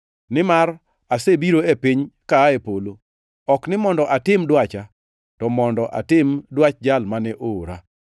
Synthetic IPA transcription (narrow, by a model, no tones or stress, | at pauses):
nɪmar | asebiɾoepiɲkaepolo | ɔknɪmɔndɔʔatɪmdwat͡ʃa | tɔmɔndɔʔa̰tɪmdwat͡ʃd͡ʒalmanɛʔoːɾa